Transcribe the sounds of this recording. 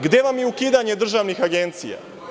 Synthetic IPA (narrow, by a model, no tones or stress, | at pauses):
ɡd̪eʋamjeukiːd̪aɲed̪r̩ʒaʋnixaɡent̪sḭja̰